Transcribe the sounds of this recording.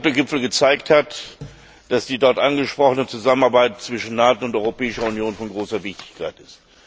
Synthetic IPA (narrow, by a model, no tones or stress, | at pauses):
toɡɪpfl̩ɡət͡saɪkthat | d̥asd̥iːdɔɐtʔanɡəʃpʁ̥ɔχənət͡suzamənaɐbaɪt̚t͡sv̥ɪʃn̩naːtoʊntʔɔʏʁopɛːɪʃɐʊnjoːnfɔnɡʁoːsɐvɪçtɪ̥çkʰaɪtɪst